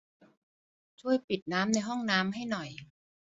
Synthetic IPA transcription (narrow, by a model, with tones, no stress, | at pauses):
t͡ɕʰu˥˩əjpi˨˩t̪̚naː˦˥mna˧jɦɔ˥˩ŋnaː˦˥mɦa˥˩jnɔ˨˩j